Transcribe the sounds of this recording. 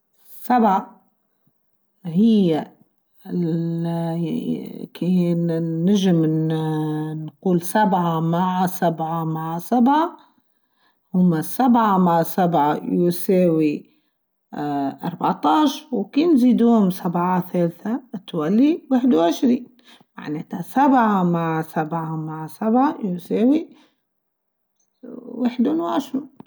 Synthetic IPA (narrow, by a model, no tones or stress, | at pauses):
sabʕa | hɪjːa | ɪ | kiː | ɪʒɪm | nquːlsabʕamaʕsabʕamaʕsabʕa | hʊmːasabʕamaʕsabʕajuseːwi | ʔɑ̰ɾˤbaʕt̪ˤɑːʃwkiːnziːd̪uːhʊmsabʕaθeːlθat̪walːiwɪħd̪wʕɪʃɾiːn | ma̰ʕneːt̪asabʕamaʕsabʕamaʕsabʕajuseːwi | wɪħd̪unwʕɪʃɾiːn